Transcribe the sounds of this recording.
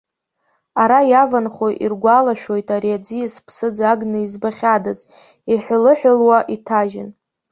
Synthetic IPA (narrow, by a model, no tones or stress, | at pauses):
aɾajavanχojʔḭrɡʷalaʃᶣo̞jtʼaɾiad͡zijaspʰsɨd͡zaɡnɨizbaχʲadaz | iħʷlɨħʷᶣʊlwaʔitʰaʒɪ̰n